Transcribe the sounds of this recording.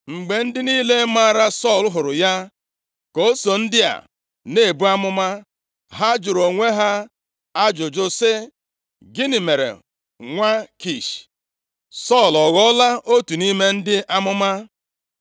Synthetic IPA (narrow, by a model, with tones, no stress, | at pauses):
ŋ͡m̩˨ɡ͡be˨n̩˦dɪ˦niː˦le˦ma˦˨ɾa˦sɔ˦˨lɦʊ˨ɾʊ˨ja˦ | ko˨˦so˨n̩˦dɪ˦a̰˨ | ne˦˨bu˦a˦mʊ˦ma˦ | ɦa˦d͡ʒʊ˨ɾo˨ŋʷe˦ɦa˦ | a˦d͡ʒʊ˨d͡ʒʊ˦sɪ˦ | ɡɪ˦ni˨me˨ɾḛ˨ | ŋʷa˦ki˦˨ʃ | sɔ˦˨lɔ˨ɣɔ˦la˦o˦tu˨ni˦me˦n̩˦dɪ˦ʔa˦mʊ˦ma˦